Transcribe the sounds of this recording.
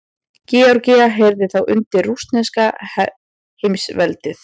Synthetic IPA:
cɛɔɾcɪaɦeːjɾðɪθawʔʏnt̪ɪrːust̪nɛskah | hejmsvɛlt̪ɪθ

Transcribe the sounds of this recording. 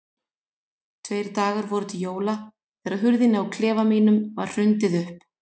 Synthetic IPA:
t̪ʰveːjɾt̪aːɣaɾvɔɾʏt̪ʰɪjoːwla | θɛːɾaðɦʏɾðɪnɪawkʰlɛːvamiːnʏmvaɾ̥r̥ʏnt̪ɪðʏhp

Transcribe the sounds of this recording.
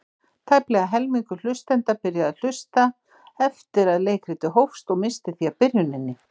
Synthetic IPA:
t̪ʰajplɛɣaɦɛlmiŋkʏl̥ʏst̪ɛnt̪apɪɾjaðaðl̥ʏst̪a | ɛft̪ɪɾaðleːjkɾɪt̪ɪɦowfst̪ɔɣmɪst̪ɪθiapɪɾjʏnɪnːɪ

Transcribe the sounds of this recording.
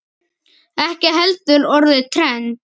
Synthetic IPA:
ɛhcɪɦɛlt̪ʏɾɔɾðɪt̪ʰɾɛn

